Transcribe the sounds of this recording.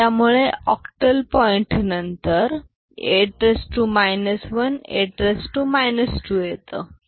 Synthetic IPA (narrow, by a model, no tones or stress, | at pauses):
t̪jamuɭeɔkʈəlpɔiɳʈnənt̪əɾ | eʈɾesʈumajnəsʋənḛʈɾesʈumajnəsʈuːjet̪ə